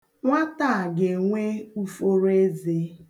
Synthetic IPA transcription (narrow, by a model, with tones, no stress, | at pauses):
ŋʷa˦ta˦˨ɡe˨ŋʷe˦u˦fo˦ɾe˦ze˦